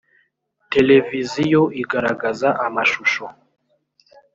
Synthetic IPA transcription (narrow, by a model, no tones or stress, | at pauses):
te̞le̞vizijoʔiɡaɾaɡazaʔamaʃuʃo